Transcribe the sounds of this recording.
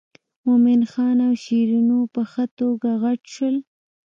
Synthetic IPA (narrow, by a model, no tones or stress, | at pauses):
momɪnxɑnawʃiɾunopəxət̪oɡaɣaʈʃwəl